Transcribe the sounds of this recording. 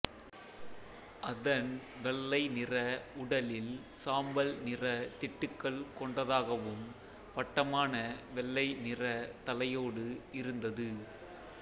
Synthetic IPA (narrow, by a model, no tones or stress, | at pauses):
ʔɐðɐn | ʋɛɭːɐɪnɪrɐʊɽɐlɪl | saːmbɐlnɪrɐt̪ɪʈːɯkːɐɭkɔɳɖɐðaːɣɐʋɯm | pɐʈːɐmaːnɐʋɛɭːɐɪnɪrɐt̪ɐlɐjoːɽɯɪɾɯnd̪ɐðɯ